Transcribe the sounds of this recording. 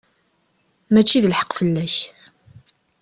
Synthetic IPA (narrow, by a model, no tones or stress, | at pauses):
mæt͡ʃːiðəlħə̥qːfəlːæç